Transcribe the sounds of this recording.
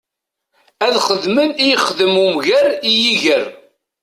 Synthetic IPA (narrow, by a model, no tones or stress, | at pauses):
æðχəðmənijχəðəmumʝæɾijiʝəɾ